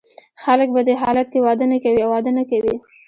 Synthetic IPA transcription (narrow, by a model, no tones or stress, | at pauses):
xalək̚bad̪əɦɑlat̪̚kewɑd̪ənakawiawɑd̪ənakawi